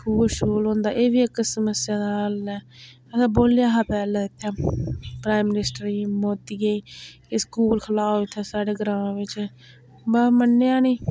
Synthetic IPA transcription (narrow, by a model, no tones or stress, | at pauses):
kʰuːbʃəɾuːlɦõːnd̪aːʔeːʋiːɪksəməsɪjãːd̪aːəlɛː | əsãːboːlejaːɦaːpɛːlaːɪt̪ʰːjaːpɾaːɪmːɪnɪsʈɾiːmoːt̪iːɡəiːkɪskuːlkʰəlaːoɪt̪ʰːaːsaːɖeːɡəɾãːʋɪt͡ʃ | bamənːejãːnĩː